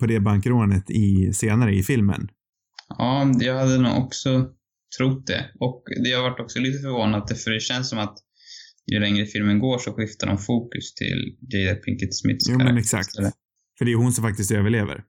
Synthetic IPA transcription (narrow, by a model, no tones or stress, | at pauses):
pʰɔd̪ɛbaŋkɾoːnət̪ʰɪseːnaɾəɪfɪlmə̰n | ɑːjɑːɡhad̪ːənṵːɔksɔ | t̪ʰɾʊt̪̚d̪ɛ̰ɔkd̪ɛhaɾvaʈːɔksɔliːt̪əfœɾvoːnad̪̚d̪ɛfœɖɛɕɛnsːɔmat̪ | jɵ̰lɛŋɾəfɪlmənɡoːʂɔɧɪft̪aɖɔ̰mfuːkɵst̪ʰɪ̰lɡɛjd̪apʰɪŋkət̪smɪ̰t̪ːjuːmɛnɛksa̰kt̪ː | fœɖɛjʉhʊnsɔmfak̚t̪ɪs̬t̪øːvəɭeːvə̰ɾ